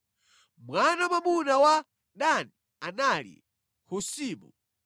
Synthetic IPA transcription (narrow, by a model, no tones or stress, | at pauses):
mwanamamunawa | ɗani | analḭ | husiːmṵ